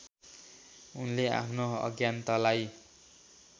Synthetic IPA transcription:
unlea̰pʰnoʌ̰ɡjant̪alaj

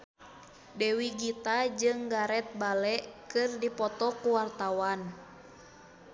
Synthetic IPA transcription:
dɛwiɡit̪ad͡ʒɨŋɡaɾɛt̪̚balɛʔkɨrdipɔt̪ɔkuwart̪awan

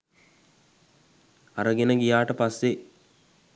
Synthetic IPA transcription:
aɾəɡenəɡijaːʈəpasːe

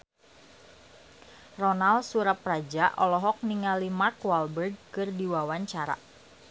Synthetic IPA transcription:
rɔnalsuɾaprad͡ʒaʔɔlɔɦɔk̚niŋalimarkwalbərɡ̚kɨrdiwawaɲt͡ʃaɾa̰

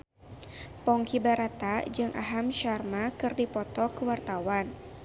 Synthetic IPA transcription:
pɔŋkibaɾat̪ad͡ʒɨŋʔa̰ɦamʃarmakɨrdipɔt̪ɔkəwart̪awan

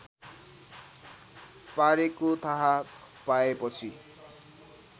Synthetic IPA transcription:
paɾekot̪ʰʌɦa | paepʌt͡sʰi

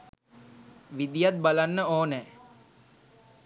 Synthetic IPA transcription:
ʋid̪ijat̪̚balanːəoːnɛː

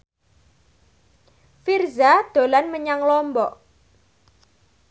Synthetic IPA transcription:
firzad̪̥o̤lanməɲaŋlɔmbɔʔ

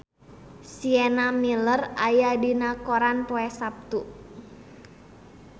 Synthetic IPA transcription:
siɛnamilərajadinakoɾanpɔɛsap̚t̪u

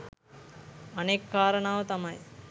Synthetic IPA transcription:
ɐnekːaːɾənaːʋət̪ɐmɐj

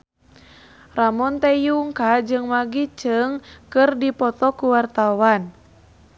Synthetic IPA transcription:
ramɔnt̪ɛjuŋkad͡ʒɨŋmaɡit͡ʃɨŋkɨrdipɔt̪ɔkuwart̪awan

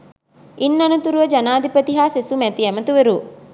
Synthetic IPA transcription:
inːɐnut̪uɾuʋɐd͡ʒɐnaːd̪ipɐt̪iɦaːsesumɛt̪iɛmɐt̪uʋeɾu

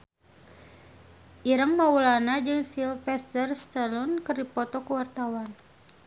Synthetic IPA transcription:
ʔiɾəŋmaulanad͡ʒɨŋsilfɛst̪ərst̪əlɔnkərdipɔt̪ɔkəwart̪awan

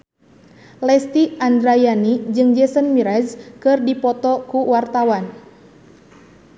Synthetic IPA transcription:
lɛst̪iandɾajanid͡ʒɨŋd͡ʒɛsənmiɾɛzkɨrdipɔt̪ɔkuwart̪awan

